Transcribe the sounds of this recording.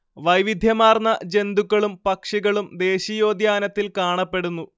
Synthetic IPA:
ʋɐjʋid̪ʱjɐmaːrnɐd͡ʑe̞nd̪ukːɐɭumpɐkʂiɣɐɭumd̪e̞ːɕijo̞ːd̪jaːnɐt̪ːilkaːɳɐpːe̞ɽunːu

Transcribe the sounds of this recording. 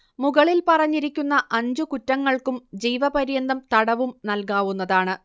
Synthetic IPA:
muɣɐɭilpɐrɐɲːiɾikʲːunːɐʔɐɲd͡ʑukutːɐŋːɐɭkumd͡ʑijʋɐbɐɾjɐnd̪ɐmt̪ɐɽɐʋumnɐlkaːʋunːɐðaːɳɨ

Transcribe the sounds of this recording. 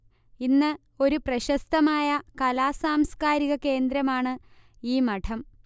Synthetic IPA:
inːɨ | o̞ɾuprɐɕɐst̪ɐmaːjɐkɐlaːsaːmskaːɾiɣɐke̞ːnd̪ɾɐmaːɳɨ | iːmɐʈʰɐm

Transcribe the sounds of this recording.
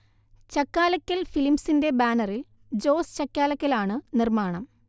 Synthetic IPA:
t͡ɕɐkːaːlɐkʲːɐlfilimsinde̞baːnɐril | d͡ʑo̞ːst͡ɕɐkːaːlɐkʲːɐlaːɳɨnirmaːɳɐm

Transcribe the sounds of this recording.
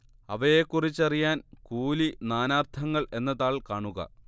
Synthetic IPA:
ɐʋɐjekːurit͡ɕːɐrijaːnkuːlinaːnaːrt̪ʰɐŋːɐɭʔe̞nːɐðaːɭkaːɳuɣɐ̰

